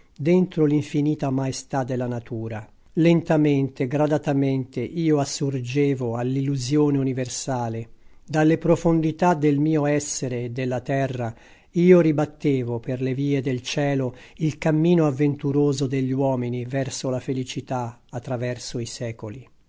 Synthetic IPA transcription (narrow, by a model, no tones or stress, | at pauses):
d̪ent̪ɾoliɱfiniːt̪amaest̪ad̪ːelːanat̪uːɾa | lent̪ament̪eɡɾad̪at̪ament̪eʔiːoasːurd͡ʒeːvoalːilːuzjoːneuniversaːled̪alːepɾofond̪it̪ad̪elmiːoɛsːeɾeːd̪ːelːat̪ɛrːa | iːoɾibat̪ːeːvoperleviːed̪elt͡ʃɛːlo | ilkamːiːnoavːent̪uɾoːzod̪eʎːiwɔːminivɛrsolafelit͡ʃit̪a | at̪ːɾavɛrsoisɛːkoli